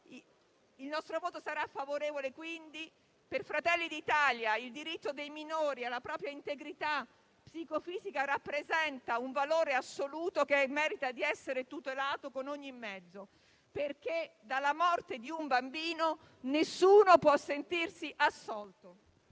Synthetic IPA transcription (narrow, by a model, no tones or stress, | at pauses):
ilnɔst̪ɾovoːt̪osaɾafːavoɾeːvolekwind̪i | perfɾat̪ɛlːid̪it̪aːljaild̪iɾit̪ːod̪ejminoːɾialːapɾɔːpɾjaint̪eɡɾit̪a | psikofiːzikarapːɾezɛnt̪auɱvaloːɾeasːoluːt̪okemːɛːɾit̪ad̪iɛsːeɾet̪ut̪elaːt̪okonoɲːimːɛd̪zːo | perk̟ed̪alːamɔrt̪ed̪iuɱbambiːno | nesːuːnopwɔsːent̪irsiʔasːɔlt̪o